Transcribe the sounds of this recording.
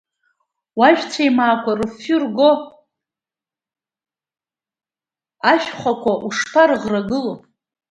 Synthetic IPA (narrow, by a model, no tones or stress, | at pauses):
waʒᶣt͡sʷʰajmaːkʷʰarɨfʊrɡo | aʃᶣχʷakʷaʔuʂpʰarɨʁraɡɨlopʼ